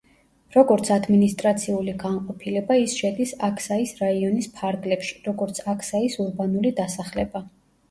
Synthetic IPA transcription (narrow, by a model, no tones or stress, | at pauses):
ɾɔɡɔɾt̪sʰad̪minist̪ʼɾat̪sʰiuliɡanqʼɔpʰilɛbaisʃɛd̪isakʰsaisɾaiɔnispʰaɾɡlɛpʃi̥ɾɔɡɔɾt̪sʰakʰsaisuɾbanulid̪asaχlɛba